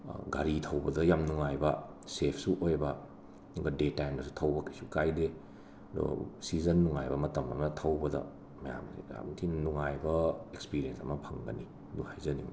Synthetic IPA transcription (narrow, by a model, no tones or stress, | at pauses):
ɡa̰ɾitʰɐwbɐdɐjamnuŋajbɐ | sepʰsuʔojbɐ | nŋɡɐdetajmdɐsu̥tʰɐwbɐkʰisukajde | do̰sizɐnːuŋajbɐmɐtɐmɐ̰mɐtʰɐwbɐdɐ̰ | mɐja̰mnḭa̰tʰinuŋajbɐekspiɾiensɐmɐpʰɐŋɡɐ̰ni | duhajzɐnḭ